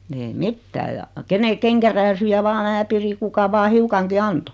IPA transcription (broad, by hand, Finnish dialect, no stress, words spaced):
ei mitːæː jɑ kene keŋkæræːsyjæ ʋɑː mæː piri kukɑ ʋɑː hiukɑŋki ɑnto